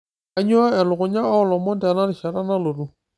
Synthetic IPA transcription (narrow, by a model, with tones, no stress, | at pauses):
a˦ɲʊ˦a˦ɛ˨lʊ˨kʊ˨ɲa˦ɔ˦lɔ˨mɔ˦ntɛ˨na˦ɾɪ˨ʃa˨ɾa˦na˦lo˨ru˦